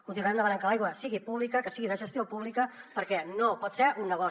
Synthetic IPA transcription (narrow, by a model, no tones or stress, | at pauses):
kunt̪inuaɛnd̪əmənaŋkəlajɣwəsiɣipuβlikəkəsiɣiðəʒəst̪jopuβlikəpəɾkɛnopɔt̪sɛɾʔunːəɣ̞ɔ